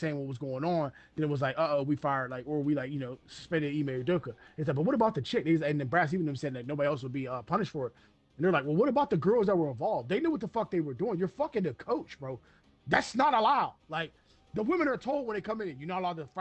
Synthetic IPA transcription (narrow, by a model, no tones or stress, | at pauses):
seɪɪ̃ŋwʌt̚wʌzɡoʊɪ̃ŋə̃nðɨ̃nɨt̚wʌzlaɪkoowifaɪə˞d̚laɪkə˞wilaɪkjɨnoʊsspɛ̃ndɨ̃imeɪlˠdoʊkɨɨtslaɪk̚bʌt̚wʌɾəbaʊt̪̚ðɨt͡ʃʰɪk̚ezɨ̃nðɨ̃nbɹæs̬ivɨ̃nɨ̃msɛd̚laɪk̚noʊbɑɾiɛlˠs̬wəd̚biʌpʰʌnɨʃtfə˞ɨt̚ | ɨn̩ðə˞laɪkwɛlˠwʌɾəbaʊt̪̚ðɨɡɜ˞lˠzðət̚wə˞ə̃ɱvɑlˠvd̪̚ðeɪnuwʌt̪̚ðəfʌk̚ðeɪwə˞duɪ̃ŋjə˞fʌkɪ̃ŋɨkʰoʊt͡ʃb̥ɹoʊ | ðætsnəɾəlaʊlaɪk̚ | ðəwɪ̃mɨ̃nə˞tʰoʊlˠd̚wə̃nðeɪkʰʌ̃mɪ̃ŋɨ̃njɨnoʊəlɔəf